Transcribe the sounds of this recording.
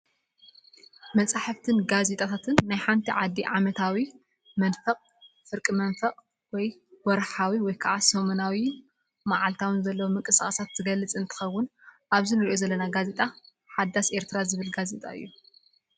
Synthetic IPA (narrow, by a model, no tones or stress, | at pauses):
mɐt͡sʼaħɨft̪ʰɨnɡaze̞t̪ʼat̪ʰat̪ʰɨnːajħant̪ʰiʕad̪ːiʕamɐt̪ʰawi | mɐnfɐqʼ | fɨɾkʼimɐnfɐqʼ | wɔjwɔɾħawiwɔjkʰaʕasɐmunawi | maʕalt̪ʰawɨnzɐlːɐwomɨŋkʼɨsaxʼɐsat̪ːɨɡɐlːɨt͡sʼɨnt̪ʰɨ̥xɐwːʊnʔaβzinɨɾiʔo̞zɐlːɐnaɡaze̞t̪ʼa | ħad̪ːasʔe̞ɾt̪ʰɨɾazɨβɨlɡaze̞t̪ʼa̰ɨ̰jːu